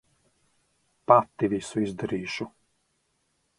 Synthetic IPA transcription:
pat̪ːivisuizd̪ɛɾiːʃu

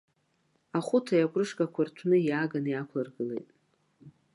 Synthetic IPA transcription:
aχʷʊtʰajakʷʼrɨʂkʼakʷʰartʷʰnɨjaːɡanjakʷʰlarɡɨlḛjtʼ

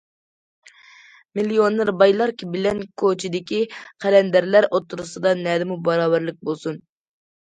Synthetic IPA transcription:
milijonːɨɾbɑjlˠɑɾkʰʲibɪlɛnkʰot͡ʃʰid̪ɪkʲiqʰɛlɛnd̪æɾlæɾʔot̪ʰːuɾusɨd̪ɑnɛːd̪ɪmubɑɾɑːbæɾlˠɪk̚ʲbolˠsun

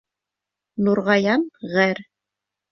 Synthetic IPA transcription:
nuɾʁɑjɑnʁæɾ

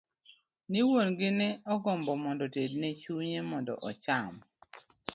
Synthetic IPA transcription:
niwonɡɪnɛɔɡɔmbɔmɔndɔted̚nɛt͡ʃuɲemɔndɔ̰ʔɔt͡ʃam

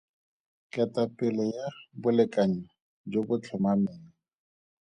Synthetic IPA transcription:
kʼɛtʼapʼɪlɛjabʊlɪkʼaɲa | d͡ʒobʊt͡ɬʰʊmamɛːla

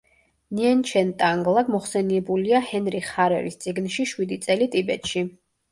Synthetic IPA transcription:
niɛnt͡ʃʰɛnt̪ʼaŋɡlˠaɡmɔχsɛniɛbuliahɛnɾiχaɾɛ̰ɾist̪sʼiɡnʃiʃwid̪it̪sʼɛlit̪ʼibɛt̪ʼʃi

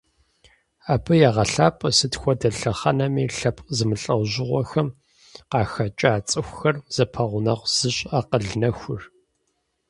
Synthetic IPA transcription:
aːbɨjaʁɐɬaːpʼɐsɨtxʷɔdɐɬɐχɐnɐmiːɬɐpʼzɨmɨɬʼɐwʑɪʁʷɔxɐm | qɑːxɐt͡ʃʼaːt͡sʼɨxʷxɐrz̥ɐpʰɐʁʷʊnɐʁʷz̥ɨɕʼaːqəɮnɐxʷʊr

